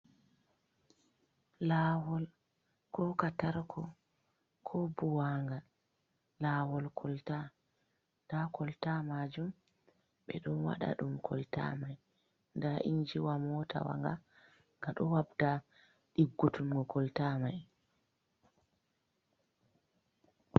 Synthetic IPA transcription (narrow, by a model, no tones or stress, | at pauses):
laːwɔl | kɔkataɾkʰɔ | kʰɔbuwaŋɡa | laːwɔlkʰɔlta | ndakʰɔltamad͡ʒum | ɓɛ̰ɗɔnwa̰ɗa̰ɗumkʰɔlta̰maj | ndaʔiɲd͡ʒiwamɔta̰wa̰ŋɡa | ŋɡaɗɔwabda | ɗiɡːutumɡɔkɔltamaj